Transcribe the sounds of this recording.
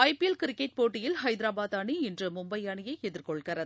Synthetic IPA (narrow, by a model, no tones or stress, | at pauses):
ɐɪpɛlkɪɾɪkːɐʈ̚poːʈːɪjɪlhɐɪd̪ɪɾaːbaːðaːɳiɪndrɯmʊmbɐɪaːɳɪjɐɪɛðɪɾkɔɭkɐɾɐð